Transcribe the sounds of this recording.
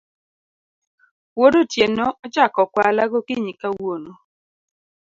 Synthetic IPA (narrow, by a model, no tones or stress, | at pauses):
wodotjenɔʔɔt͡ʃakɔkwalaɡokɪɲikawono